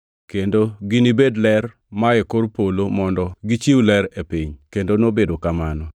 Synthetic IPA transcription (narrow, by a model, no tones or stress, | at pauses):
kendoɡinibedlɛr | maekoɾpolomɔndɔɡit͡ʃiwulɛɾepiɲkendonobedokamanɔ